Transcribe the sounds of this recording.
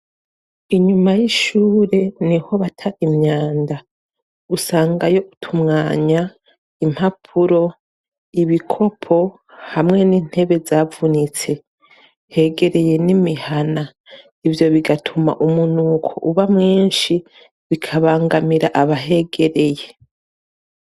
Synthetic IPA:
iɲumajiʃuːɾe̞niho̞βatʰaimɲaːnda | usaːŋɡajo̞ʔutʰumŋaːɲa | im̥hapʰuɾo̞ | iβikʰo̞pʰo̞ | hamŋe̞niːn̥he̞βe̞zavunit͡se̞ | he̞ɡe̞ɾe̞je̞nimihana | ivjo̞βiɡatʰuma̰ʔumunuːkʰo̞̰ʔuβamŋiːnʃi | βikʰaβaːŋɡamiɾaʔaβaɦe̞ɡe̞ɾe̞je̞

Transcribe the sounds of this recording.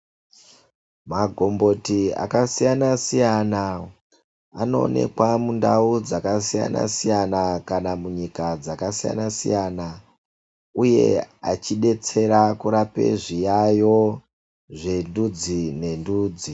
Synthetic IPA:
maɡʱombo̞tia̰kasijanasijana | ano̞̰ːne̞̰kwamundaud͡zakasija̰na̰sijanakanamuɲikad͡zakasija̰nasḭjana | uje̞̰a̰t͡ʃiɗe̞t͡se̞ɾakuɾapḛʐijajo | ʐe̞ndud͡zine̞nduːd͡zi

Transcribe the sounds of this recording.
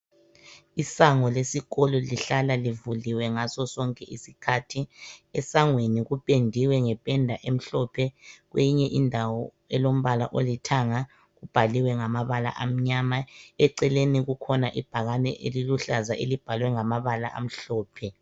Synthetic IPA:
isaŋɔlesiɣɔlɔliɬalalivuliwɛŋasɔsɔŋkʼɛʔisikʰatʰiɛsaŋweniɣupʼendʱiwɛŋɛpʼɛndʱaʔem̩ɬɔpʰɛɣweɲɛʔindʱawɔ | ɛlom̩βala̰ʔolitʰaŋa | ɣub̥ʱaliwɛŋamaβala̰ʔam̩ɲamaɛǀɛleniɣukʰɔnaʔib̥ʱaɣanɛʔeliluɬazaʔelib̥ʱalwɛŋamaβala̰ʔa̰m̩ɬɔːpʰɛ

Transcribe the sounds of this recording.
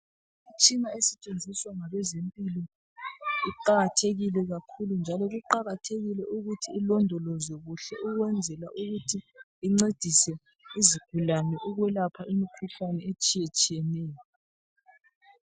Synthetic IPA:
it͡ʃʼinaesɛt͡ʃʼend͡zʱiswaŋaβɛzempʼilɔ | iǃaɣatʰeɣilɛɣakʰulund͡ʒʱalɔɣuǃaɣatʰeɣilɛʔuɣutʰiːlɔndʱɔlɔzɔɣuɬɛʔuɣwɛnd͡zʱɛlaʔuɣutʰiː | ŋ͡ǀed̥ʱisɛ | iziɡ̥ʱulanɛʔuɣwɛlapʰaʔimikʰuɬanɛet͡ʃʼijet͡ʃʼijɛnɛːjɔ

